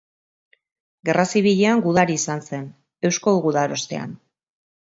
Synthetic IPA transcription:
ɡe̞rasiβiʎe̞aŋɡuðaɾiːsanse̞n | e̞wsko̞ɣuðaɾo̞st̪e̞̰a̰n

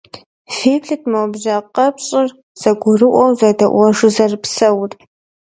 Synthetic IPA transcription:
feːpʰɬɨtʰmawbʒaqɐpʰɕʼɪr | z̥ɐɡʷʊrɨʔʷʼɔwzadɐʔʷɐʂɨzɐrpʰsɐwtʼ

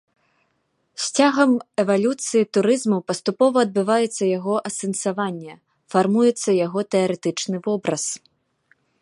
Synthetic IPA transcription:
sʲt͡sʲaɣɐmɛvalʲut̪sɨjit̪uɾɨzmupɐst̪upɔvɐːd̪̚bɨvajɛt̪sːɐjaɣɔʔɐsɛnsavanʲːɛ | farmujɛt̪sːɐjaɣɔt̪ɛɐɾɛt̪ɨt͡ʂnɨvɔbɾɐs

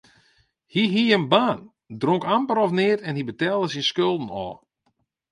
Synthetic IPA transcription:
hiɦiənbaːn | droŋkampəɾɔfnɪətɛnɦibətɛːlˠdəsinskølˠdn̩ɔ̰ː

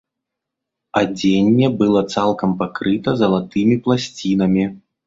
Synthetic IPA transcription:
ad͡zʲenʲːɛbɨlˠɔt̪salˠkɐmpakɾɨt̪ɐzɐlˠat̪ɨmʲiplˠasʲt͡sʲin̪ɐmʲi

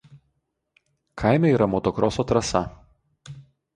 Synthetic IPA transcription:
kʰaɪmʲɛiːˑɾɐmɔt̪ɔkɾɔsoːt̪ɾɐsɐ

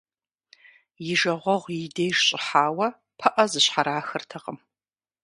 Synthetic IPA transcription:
jɪʒɐʁʷɔʁʷjɪdeːʒɕʼɪħaːwɐ | pʰɐʔɐzɨɕħaɾaːxɨrtʰɐqəm

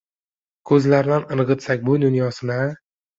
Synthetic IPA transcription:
kʰɵzlaɾnanɨɾʁɨt̪sakʲbʊd̪ʊnjɒsɪna

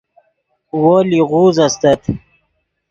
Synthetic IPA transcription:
woːliʁuːzast̪at̪

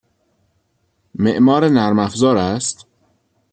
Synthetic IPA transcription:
meʔmɒːɾenæɾmæfzɒːɾæst̪

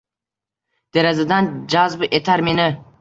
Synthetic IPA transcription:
d̪̥eɾazad̪and͡ʒazbɨʔet̪ʰaɾmenɪ

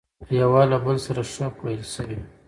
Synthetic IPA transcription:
jawɑlabəlsaɾaʂəpwajəlʃəwi

